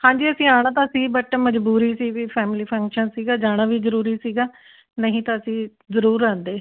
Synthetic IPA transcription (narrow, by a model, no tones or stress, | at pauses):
hãːɲd͡ʒiːəsĩːaːɽ̃aːt̪ãːəsĩːbəʈːməd͡ʒbuːɾiːsiːɡiːpʰɛːmɪliːpʰəŋkʃənsiːɡaːd͡ʒaːɽ̃aːʋiːzəɾuːɾiːsiːɡaː | nəɦĩːt̪ãːəsĩː | zəɾuːɾãːnd̪eː